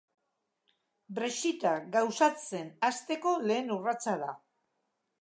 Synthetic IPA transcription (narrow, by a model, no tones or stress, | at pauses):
bɾeʃit̪aɡawsat͡se̞nast̪e̞ko̞le̞ːnurat͡saða